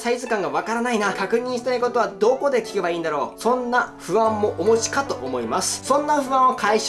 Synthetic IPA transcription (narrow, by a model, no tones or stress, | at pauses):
saizɨkãŋɡaβakaɾanainakakɯ̟ɲ̟ĩɕi̥t̪aiko̞t̪o̞βad̪o̞ko̞d̪e̞kʲi̥kebaiːnd̪aɾo̞ːsõ̞nːaɸɯ̟βãmːo̞ʔomo̞ʑi̥kat̪o̞ʔomo̞imasɨ̥sõ̞nːaɸɯ̟βãɰ̃o̞kaiɕ